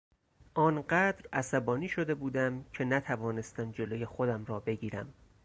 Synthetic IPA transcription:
ʔɒːnɢæːd̪ɾæsæbɒːniːʃo̞d̪e̞buːd̪æmcʰe̞næt̪ʰævɒːne̞st̪æmd͡ʒe̞loje̞xod̪æmɾɒːbe̞ɟiːɾæ̰m

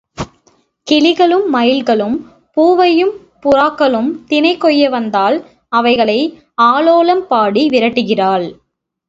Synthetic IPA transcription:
kɪlɪɣɐɭɯmːɐjɪlɣɐɭɯm | puːʋɐjɯm | pʊɾaːkːɐɭɯmt̪ɪnɐɪkːɔjːɐʋɐnd̪aːl | ɐʋɐɪɣɐɭɐɪ | aːloːlɐmpaːɽiʋɪɾɐʈːɯɣɪraːɭ

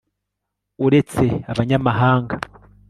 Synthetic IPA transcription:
uɾe̞t͡se̞aβaɲamaɦaːŋɡa

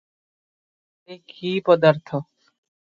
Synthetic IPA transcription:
ekʰːiːpəd̪əɾt̪ʰo

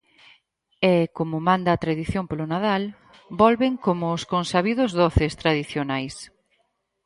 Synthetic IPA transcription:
ɛkomʊmãnd̪aːt̪ɾaðiθjompolʊnað̞al | bɔlβɪŋkomʊːskonsaβiðʊzðoθest̪ɾaðiθjonajs

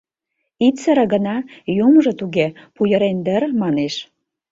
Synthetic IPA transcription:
it̪t͡səɾə̆ɣə̆nɑjumʒɤ̆t̪uɣepujə̆ɾend̪ə̆ɾmɑneʃ

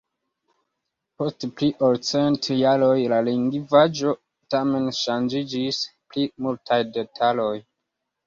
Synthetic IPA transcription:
po̞stpliʔoɾt͡sentjaɾo̞jlaliŋɡivad͡ʒo̞ | tame̞nʃand͡ʒid͡ʒisplimultʰajde̞tʰalo̞j

